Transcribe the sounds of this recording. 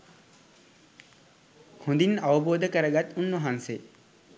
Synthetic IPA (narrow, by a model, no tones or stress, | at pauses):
hũnd̪inaʋəboːd̪əkəɾəɡat̪ːunːuɦanse